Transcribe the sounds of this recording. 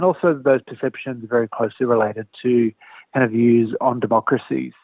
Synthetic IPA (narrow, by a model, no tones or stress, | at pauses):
nɔˑlˠsoʊðəʊz̥pʰə˞sɛpʃɨ̃nzə˞vɛɹikʰl̥oʊsliɹəleɪɾɨd̚tʰɨ | kʰãɪ̃ndʌvjʉzə̃n̩dɨmɑkɹɨsḭz̥